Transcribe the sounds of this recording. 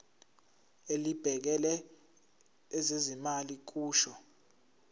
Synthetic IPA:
elib̥ʱɛk̬ɛlɛ | zezimalik̬uːʃɔ

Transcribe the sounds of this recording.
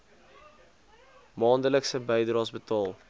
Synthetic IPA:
mɑːndələksəbəjdrɑːsbətɑːlˠ

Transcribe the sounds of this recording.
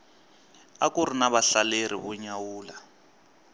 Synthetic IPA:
akʼurinaβaɬalerḭβɔɲawuːla

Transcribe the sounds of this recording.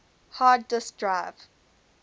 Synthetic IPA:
haːdːɪsdɹaɪv̥

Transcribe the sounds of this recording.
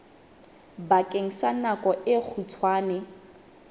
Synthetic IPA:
bakʼeŋ̩sanakʼɔʔɪk͡xʰut͡sʰwaːnɛ

